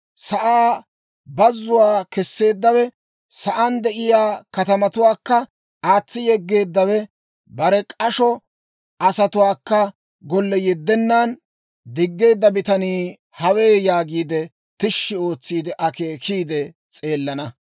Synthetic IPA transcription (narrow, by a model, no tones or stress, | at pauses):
sɐʔaː | bɐzːʊwaːkɛsːe̞ːd̪ːɐwɛ | sɐʔɐnd̪ɛʔɪjaːkɐt̪ɐmɐt̪ʊwaːkːɐ | aːt͡sːɪjɛɡːe̞ːd̪ːɐwɛ | bɐɾɛkʼɐʃɔ | ʔɐsɐt̪ʊwaːkːɐ | ɡɔlːɛjɛd̪ːɛnːaːn | d̪ɪɡːe̞ːd̪ːɐbɪt̪ɐniː | hɐwe̞ːjaːɡiːd̪ɛ | t̪ɪʃːɪo̞ːt͡sːiːd̪ɛʔɐke̞ːkʰiːd̪ɛ | t͡sʼe̞ːlːɐnɐ